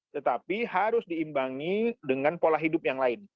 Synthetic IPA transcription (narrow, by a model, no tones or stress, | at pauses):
t̪ət̪apihaɾʊsdiːmbaŋidəŋanpolahɦidʊp̚jaŋlaɪn